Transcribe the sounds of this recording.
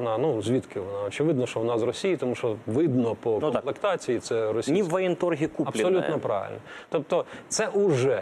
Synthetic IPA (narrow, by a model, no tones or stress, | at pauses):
nɑnuzʲʋʲit̪kɪʋɔnɑɔt͡ʃɪʋɪd̪nɔʃt͡ʃɔʋnɑzrɔsʲijit̪ɔmuʃt͡ʃɔʋɪd̪nɔpɔknɔmplˠekt̪ɑt͡sʲijit̪sɛɾɔsʲiniːɐjɛnt̪ɔrɦʲikuɐpʲsɔlʲutnɔpɾɑ̰ʋɪ̰lʲnɐt̪ɔp̚t̪ɔt̪sɛʔuʒɛ